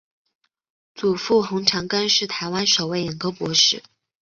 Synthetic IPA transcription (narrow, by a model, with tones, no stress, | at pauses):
t͡su˨˩fu˥˩xʊ˧˥ŋʈ͡ʂʰɑ˧˥ŋka˥nʂɻ̩˥˩t̪ʰa˧˥ɪwa˥nʂo˨˩ʊwe˥˩ɪjɛ˨˩nko˥ʊpwɔ˧˥ʂɻ̩˥˩